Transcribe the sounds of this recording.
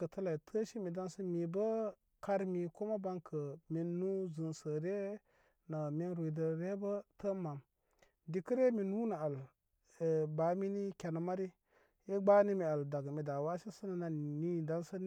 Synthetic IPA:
kə˨tʰə˦la˨i˨tʰə˦ʃi˦mi˨da˦nsə˦mi˨bə˦ | ka˦ɾmi˨ko˦ma˦ba˦ŋkʰə˨mi˨nːu˦zɨ˨nsə˨ɾe˦ | na˨mi˦nɾu˨i˨də˨ɾe˦bə˦tə˦ma˨m | di˨kə˦ɾe˦mi˨nu˦na˨a˨l | ba˨˦mi˦ni˦kʲa˨na˨ma˦ɾi˦ | je˦ɡ͡ba˦ni˦mi˨a˨lda˨ɡmi˨da˨wa˦ʃi˦sə˦na˨na˨ni˦da˦nsə˦n

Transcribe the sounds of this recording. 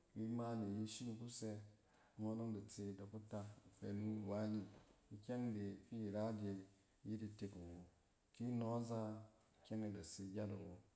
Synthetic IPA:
wi˦ma˦ni˨ji˦ʃi˦nu˨ku˦se˦˨˦ | mo˦no˦ŋda˨t͡se˧˨da˨ku˦ta˦˨fḛ˨nu˦˨wa˦ɲi˨i˨kʲe˦ŋde˨ki˦˨ɾa˦de˨˦ | ji˦di˨te˨kwo˨ | ki˦no˦za˦˨ | kʲe˦ŋe˨da˨si˨ɡʲa˦dwo˨

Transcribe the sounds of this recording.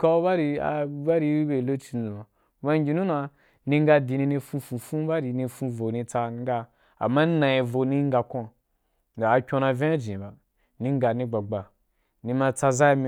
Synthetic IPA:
ka˦ba˦ɾi˧a̰˨˦ba˦ɾi˧˦i˦be˨lo˦t͡ʃi˧n˦˨u˨ma˨˦ | ba˦ŋ˦ɡʲi˧nũ˦na˧ | nĩ˧ŋ˦ɡa˧di˨nĩ˧ni˧fũ˧fũ˧fũ˦ba˦ɾi˧nĩ˧fũ˧vo˨ni˧t͡sa˧ŋ˦ɡa˦ | a̰˨mːa˦n˦nã˨i˧vo˧ni˦ŋ˦ɡa˧kõ˦˨ | daː˨kʲõ˧na˧vʲẽ˦a˦d͡ʒĩ˨ba˨ | nĩ˧ŋ˦ɡa˧nĩ˧ɡ͡ba˨ɡ͡ba˨ | ni˧ma˧t͡sa˧za˦i˧mi˦

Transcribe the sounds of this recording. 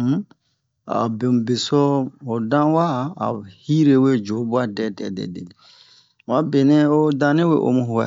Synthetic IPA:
a̰˨be˨m˨be˨sɔ˦o˨dã˦wa˦˨a̰˨hi˦ɾe˦we˦d͡ʒo˨˦bu˦a˦dɛ˨tɛ̰˨dɛ̰˨de˨ | wa˦be˨nɛ̃˦o˦dã˧nẽ˦we˨ʔo̰˧˨mũ˦ɦu˨wɛ̰˨

